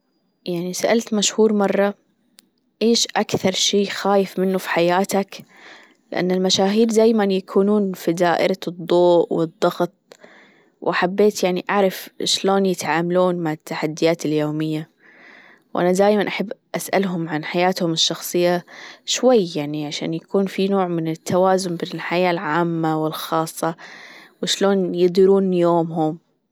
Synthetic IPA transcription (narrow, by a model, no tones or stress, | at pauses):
jaʕnisaʔalt̪maʃhuːɾmɑrˤːɑ | ʔeːʃʔakθɑɾˤʃiːxaːjɪfmɪnːufi̥ħajaːt̪ak | lɪʔa̰nːɪlmaʃaːɦiːɾd̪aːjmanjakʰuːnuːnfid̪aːʔɪ̰ɾɑd̪ˤːoːʔwɨd̪ˤːɑɣt̪̚ˤ | wʔaħabːeːt̪jaʕniʔaʕɾˤɑfʃloːnjɪt̪ʕaːmaluːnmaʕat̪ːaħad̪ːɪjaːt̪ɪljoːmɪjːa | wʔa̰nad̪aːjmanʔaħabːʔasʔa̰lɦʊmʕanħajaːt̪hʊmɪʃːɑxsˤɨjːaʃwajːjaʕniʕaʃa̰ːnjakuːnfinoːʕmɪnɪt̪ʰːawaːzʊmbɪnɪlħajaːlʕaːmːawɪlxɑːsˤːɑwɪʃloːnjɪd̪ˤiɾuːnjoːmɦʊm